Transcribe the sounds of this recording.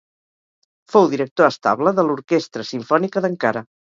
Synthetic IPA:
fowðiɾək̚t̪oəst̪a̰βləðəluɾkest̪ɾəsiɱfɔnikəðəŋkaɾə

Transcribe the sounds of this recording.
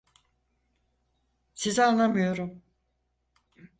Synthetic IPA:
sizanlˠamɯjo̞ɾum

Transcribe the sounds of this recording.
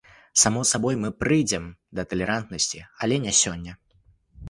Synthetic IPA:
samɔsabɔjmɨpɾɨjd͡zʲɛmd̪ɐt̪ɐlʲɛɾant̪nɐsʲt͡sʲiɐlʲɛnʲɛsʲɔnʲːɐ

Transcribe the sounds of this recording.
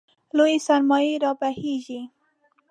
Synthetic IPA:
lojisaɾmɔiɾɑpahiʒi

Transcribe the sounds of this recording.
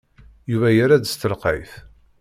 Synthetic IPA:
juvæjəɾæd̪st̪əlqḭθ

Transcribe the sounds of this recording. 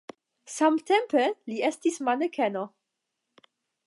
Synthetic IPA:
samtempeliestismanekʰeno

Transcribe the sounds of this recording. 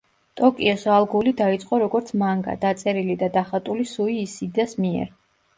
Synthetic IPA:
t̪ʼɔkʼiɔsalˠɡulid̪ait̪sʼqʼɔɾɔɡɔɾt̪sʰmaŋɡa̰d̪at̪sʼɛɾilid̪ad̪aχat̪ʼulisuiːsid̪asmiɛ̰ɾ

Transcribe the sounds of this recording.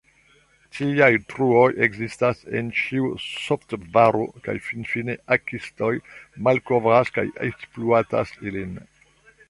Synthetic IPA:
tʰiajtɾuo̞jeɡzistase̞̰nt͡ʃiusoftvaɾoka̰jfinfine̞ʔakisto̞jmalko̞vɾaska̰jḛkspluata̰silin

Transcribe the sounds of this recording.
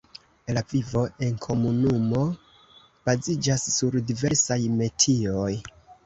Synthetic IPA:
lavivo̞ʔe̞nkʰo̞munumo̞ | b̥azid͡ʒasːuɾdive̞ɾsajme̞tʰio̞j

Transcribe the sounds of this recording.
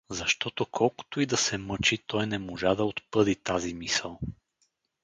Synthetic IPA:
zɐʃt̪ɔt̪ʊkʰɔlˠkʊ̥t̪ʊid̪ɐsɛmɤt͡ʃit̪ɔjnɛmoʒad̪ɐot̪pɤd̪it̪azimisəlˠ

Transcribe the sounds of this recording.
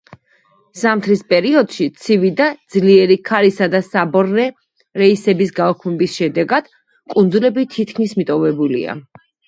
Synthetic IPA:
z̥amt̪ʰɾispʼɛɾiɔd̪̥ʃit̪sʰivid̪ad̪zliɛɾikʰaɾisad̪asabɔɾːɛ | ɾɛisɛbisɡaɔkʰmɛbisʃɛd̪ɛɡad̪̥ | kʼund̪zulɛbit̪ʰit̪ʰkʰmismit̪ʼɔvɛbulḭa̰

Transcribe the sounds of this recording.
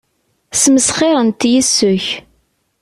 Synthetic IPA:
sməsχɪɾˤənt̪jisːʊç

